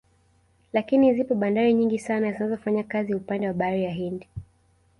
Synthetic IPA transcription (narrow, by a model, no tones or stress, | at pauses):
lakinizipɔɓandaɾiɲiŋɡisanazinazɔfaɲakaziupandɛwaɓaɾijaɦindi